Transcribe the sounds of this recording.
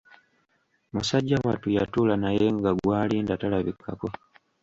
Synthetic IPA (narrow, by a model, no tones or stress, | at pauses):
musaɟːawatujatuːlanaje̞ŋɡaɡwaːliːndatalaβikʰːako̞